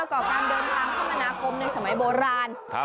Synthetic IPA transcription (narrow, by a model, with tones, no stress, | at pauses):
wkɔː˨˩kaː˧ndɤː˧nt̪ʰaː˧ŋkʰaː˦˥mʔa˧naː˧kʰo˧mna˧jsa˧˦ma˩˦jboː˧ɾaː˧n